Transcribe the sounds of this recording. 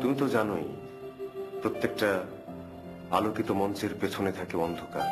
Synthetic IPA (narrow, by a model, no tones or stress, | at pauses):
t̪umit̪od͡ʑanoj | pɾot̪ːek̚ʈa | a̰lokit̪omɔnt͡ɕeɾpet͡ɕʰonet̪ʰakeɔnd̪ʱoka̰ɾ